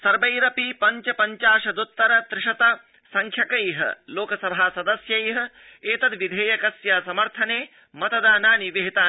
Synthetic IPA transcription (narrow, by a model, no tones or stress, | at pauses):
sɐɾbɐjɾɐpipɐɲt͡ʃɐpɐɲt͡ʃaːʂɐd̪ut̪ːɐɾɐt̪ɾɪʂɐt̪ɐ | sɐŋkʰjɐkɐjɦɐ̰loːkɐsɐbʱaːsɐd̪ɐsjɐjɦɐ̆ | eːt̪ɐd̪ʋid̪ʱeːjɐkɐsjaːsɐmɐɾt̪ʰɐneː | mɐt̪ɐd̪aːnaːniʋeɦit̪aː